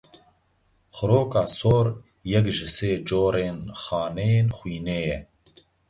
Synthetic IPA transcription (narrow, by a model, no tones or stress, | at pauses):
xʊɾoːkɑːsoːɾ | jɛkʒɨseːd͡ʒoːɾeːnxɑːnɛjeːnxʷwiːneːjɛ